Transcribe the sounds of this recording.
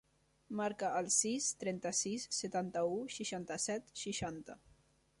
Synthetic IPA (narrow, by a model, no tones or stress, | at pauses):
maɾkəʔːlˠsist̪ɾɛnt̪əsisːət̪ant̪əuʃiʃant̪əsɛt̪ʃiʃant̪ə